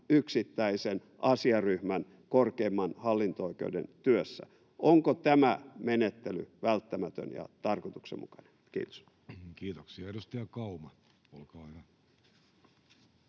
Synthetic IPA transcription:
yksit̪ːæisen | ʔɑsiɑryhmæn | korkeːmːɑnhɑlːint̪ooikḛudḛnt̪yøsːæ̰ | oŋkot̪æmæmenet̪ːely̰ʋælt̪ːæmæt̪ø̰njɑ̰t̪ɑrkot̪u̥ksḛmṵkɑ̥nenkḭːt̪o̥s | kiːt̪oksiɑeɾust̪æjɑkɑumɑt | olkɑːyhæ

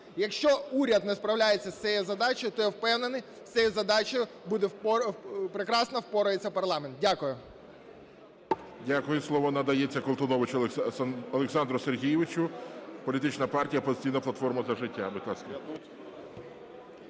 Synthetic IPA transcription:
jɐkʃt͡ʃɔuɾʲɐd̪nɛspɾɐwlʲajet͡sʲːɐsʲt͡sʲsʲɛjɛzɐd̪ɑt͡ʃɔjʊt̪ɔjɛwpɛwnenɪ | wt͡sʲsʲɛjɛzɐd̪ɑt͡ʃɔjʊ | bud̪ɛ | pɾekɾɑsnɐwpɔɾʊjet͡sʲːɐpɐrlˠɑment̪̚dʲakʊjʊ | dʲakʊjʊslˠɔʋɔnɐd̪ɐjet͡sʲːɐkɔlˠt̪ɔnɔʋɪt͡ʃ | ɔlˠeksɑnd̪ɾʊserɦʲijɪʋɪt͡ʃʊpɔlʲit̪ɪt͡ʃnɐpɑrtʲijɐpɔzɪtʲijnɐplˠɐt̪fɔrmɐzɐʒɪtʲːabɪt̪ɑsʲkɐ

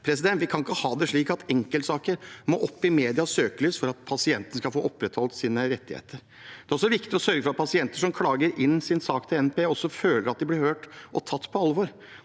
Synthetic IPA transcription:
pʰɾɛsɪd̪ɛnt̪ʋɪkʰɑnɪkːəhɑːd̪ɛʂɭiːkɑt̪ɛŋkəlt̪sɑːkəɾmo̰ːʔɔpːɪmeːd̪ɪɑsøːkəlyːsfɔɾɑt̪pʰɑsɪɛnt̪ənəskɑlfoːʔɔpːɾɛt̪hɔlt̪siːnəɾɛt̪ːɪhḛːt̪ʰəɾ | d̪ɛæɾɔsɔʋɪkt̪ɪɔsœɾɡəfɔɾɑt̪̚pʰɑsɪɛnt̪əʂɔmkʰlɑːɡəɾɪnːsɪnsɑːkt̪ʰɪlɛnpeːɔsːɔføːləɾɑt̪̚d̪ɪblɪɾhøːʈʔɔt̪ʰɑt̪ːpʰɔɑlːʋoɾ

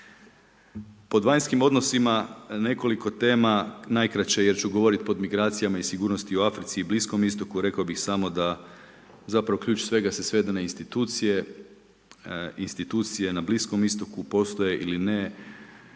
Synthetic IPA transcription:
po̞d̪ʋajɲskimo̞d̪no̞simane̞koliko̞t̪e̞ːmanajkɾat͡ɕeje̞ɾt͡ʃuɡoʋo̞ɾit̪̚po̞d̪miɡɾaːt̪sijamaisiɡuːɾno̞st̪ioafɾit̪siːblisko̞mist̪o̞kuɾe̞kaobixsamo̞d̪a | zapɾaʋo̞kʎʲuːt͡ʃsʋe̞ɡasesʋe̞d̪aneinst̪it̪uːt̪sije̞ | inst̪it̪uːt̪sije̞nablisko̞mist̪o̞kupo̞st̪o̞je̞ʔiline̞

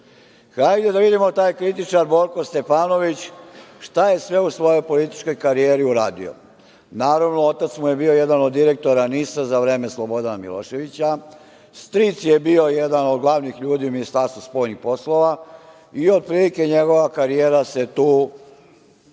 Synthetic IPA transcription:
xajd̪ed̪aʋid̪imo̞t̪aːjkɾit̪it͡ʃaɾbo̞ɾko̞st̪e̞faːno̞ʋit͡ɕʃt̪aje̞sʋe̞usʋo̞jo̞jpolit̪i̥t͡ʃko̞jkaɾijeːɾiuɾaːd̪ḭo̰ | naːɾaʋno̞o̞t̪at̪smuje̞bio̞jed̪anod̪ːiɾe̞k̚t̪o̞ɾanisazaʋɾe̞ːme̞slo̞bo̞d̪anamḭlo̞̰ʃe̞ʋit͡ɕa | st̪ɾit̪sje̞bio̞je̞d̪ano̞d̪ɡlˠaʋnixʎuːd̪iːuminist̪aɾst̪ʋuspo̞jnixpo̞slˠo̞ʋa | iod̪̚pɾiːlike̞ɲe̞ɡo̞ʋakaɾijeːɾase̞t̪uː

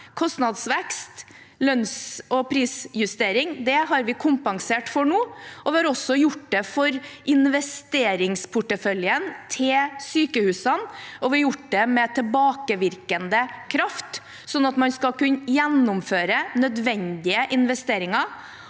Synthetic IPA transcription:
kʰɔst̪nɑd̪sʋɛkst̪ | lœnsɔpʰɾiːsjʉst̪eːɾɪŋd̪ɛɦɑɾʋɪkʰʊmpɑŋseːʈfɔɳuːɔʋɪɑɾɔsːɔjʊʈd̪ɛfɔɾʔɪnʋɛst̪eːɾɪŋspʰʊʈːəfœljənt̪ʰɪlsyːkəhʉːsɑnɔʋɪjʊʈːd̪ɛmɛt̪ʰɪlbɑːkəʋɪɾkənd̪əkʰɾɑft̪ | sɔnːɑt̪mɑnskɑkʉnjɛnːʊmføːɾənœd̪ʋɛnd̪ɪəʔɪnʋɛst̪eːɾɪŋɑ

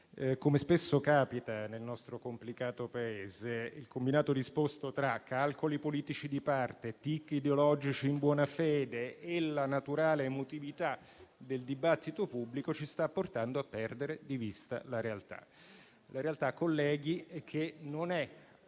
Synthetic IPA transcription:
komespesːokaːpit̪anelnɔst̪ɾokomplikaːt̪opaeːzeilkombinaːt̪od̪ispost̪ot̪ɾakːalkolipoliːt̪it͡ʃid̪ipart̪et̪ikːid̪eolɔd͡ʒit͡ʃiːmbwɔːnafɛːd̪eːlanat̪uɾaːleːmot̪ivit̪a | d̪eld̪ibat̪ːit̪opubːlikot͡ʃist̪apːort̪and̪oapːɛrd̪eɾed̪ivist̪a̰laɾealt̪a̰ | laɾealt̪akːolːɛːɡiɛk̟ʰːenonɛ

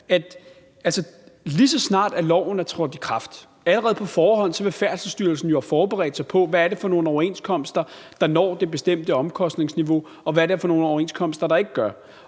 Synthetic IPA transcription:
æd̥ | ælsəlisɒ̽snɑ̰̈ːd̥æɐlɒʊ̰n̩æɐt͡sʰʁɔd̥ikʰʁɑ̈fd̥ | æləʁɛːð̞̩ˠpʰɒ̽fɒːhɒ̽n̰sɒ̽ʋe̝fæɐ̰dsəsd̥yɐlsn̩jofɒːb̥eʁɛ̰ːd̥sɑɪpʰɒ̽ʋææɐɾ̥e̝fɒ̽no̝ːn̩ɒʊɐe̝nskʰɒ̽m̰sd̥ɐ | d̥ɑ̈nɒ̰ːd̥e̝b̥e̝sd̥em̰d̥əɒ̽mkʰɒ̽sd̥ne̝ŋsniʋo̝ | ɒ̽ʋæɐɾeæɐfɒno̝ːnɒʊɐe̝nskʰɒ̽m̰sd̥ɐɾ̥ɑ̈e̝ɡ̥əɡ̥ɶɐ

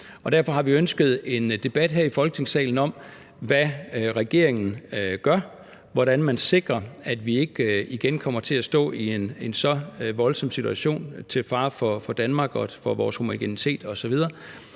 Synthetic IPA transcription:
ɒ̽d̥æɐfɒ̽ɦɑ̈ʋiønsɡ̥əð̩ˠe̝nd̥e̝b̥æd̥ɦæɐ̰ifɒ̽lɡ̥ət͡sʰe̝ŋsɛ̰ːln̩ɒ̽m̰ | ʋæʁɛɡ̥e̝̰ɐeŋn̩ɡ̥ɶɐ | ʋɒɾænmænse̝ɡ̥ʁɐæd̥ʋie̝ɡ̥iɡ̥enkʰɒ̽m̰ɐt͡sʰe̝æsd̥ɔ̰̽ːiene̝nsɒ̽ʋɒ̽lsɒ̽m̰sit͡sʰuæɕo̝̰ːnt͡sʰe̝lfɑ̈ːfɒ̽fɒ̽d̥ænmɑ̈ːɡ̥ɒ̽fɒ̽ʋɒ̰ːshomiɡ̥enit͡sʰe̝̰ːd̥ɒ̽sɒʋið̞ˠɐː

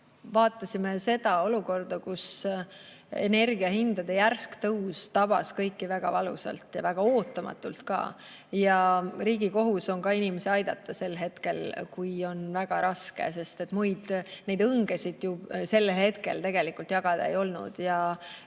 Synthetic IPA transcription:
vɑːt̪ˑːɑsime̞se̞d̪ɑo̞luko̞rd̪̥ɑkus | ḛne̞rɡiɑhind̪̥ɑd̪e̞jærskt̪ɤwst̪ɑb̥ɑ̰skɤ̞jkːivæɡ̥ɑ̰vɑlṵsɑ̰lt̪jɑvæɡ̥ɑo̞ːt̪ːˑɑmɑ̰t̪ːˑult̪kɑ̰ː | jɑriːɡiko̞ɦuso̞ŋkɑinʲimeseɑjd̪ɑ̰t̪ˑːɑse̞lɦe̞t̪ke̞lkujo̞nvæɡ̥ɑɾɑske̞̰se̞st̪e̞t̪ːˑmujd̪̥ne̞jd̪ɤŋɡesid̪̥jubse̞lːelɦe̞t̪ke̞̰lt̪e̞ɡ̥e̞likˑult̪jɑɡ̥ɑd̪̥ɑ̰ḛjo̞lnṵd̪̥jɑ

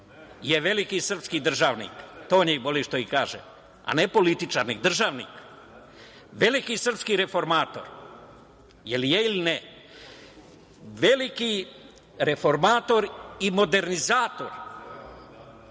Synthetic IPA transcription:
jeʋe̞likisr̩pskid̪r̩ʒaːʋnḭkt̪oːɲeboliʃt̪oikaːʒḛ | a̰nepo̞lit̪it͡ʃa̰ɾnḭd̪r̩ʒaːʋnḭk | ʋe̞likisr̩pskiɾe̞fo̞ɾmaːt̪o̞̰ɾ | jelijeiline | ʋe̞liki | ɾe̞fo̞ɾmaːt̪oɾimo̞d̪e̞ɾnizaːt̪o̞̰ɾ

